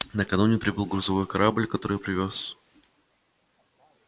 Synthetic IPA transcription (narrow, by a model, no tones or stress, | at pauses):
nəkɐnunʲɪpɾʲɪbɨlˠɡɾʊzɐvo̞jkɐɾʔablʲkɐt̪o̞ɾɨjpɾʲɪvʲos